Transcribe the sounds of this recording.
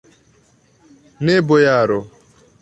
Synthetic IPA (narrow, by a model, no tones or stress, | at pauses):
nebʊjaɾʊ